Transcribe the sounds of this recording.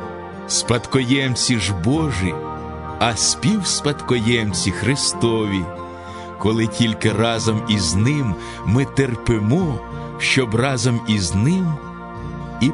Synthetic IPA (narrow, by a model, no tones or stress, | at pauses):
spɐt̪kɔjɛmt͡sʲiʒbɔʒi | ɐsʲpʲiwspɐt̪kɔjɛmt͡sʲixɾɪst̪ɔʋʲi | kɔlˠɪtʲilʲkɪrɑzɔmiznɪmː | ɪt̪erpɪmɔ | ʃt͡ʃɔbrɑzɔmiznɪm | i